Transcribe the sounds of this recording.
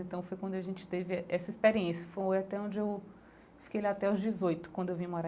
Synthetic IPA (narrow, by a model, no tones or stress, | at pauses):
ẽt̪ɐ̃w̃fojkwɐ̃nd̪ʊaʒẽnt͡ʃɪ̥t̪evɪʔɛsɐispeɾiẽsɪjɐfoojat̪ɛõd͡ʒɪew | fi̥kejlaat̪ɛawzd͡ʒɪzojt̪ʊ̥kwɐ̃d̪ʊewvĩmɔɾa